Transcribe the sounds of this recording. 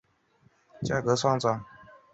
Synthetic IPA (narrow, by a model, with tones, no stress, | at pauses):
t͡ɕja̰˥˩kɤ˨˧˥sɑ˥ŋt͡sɑ˨˩˨ŋ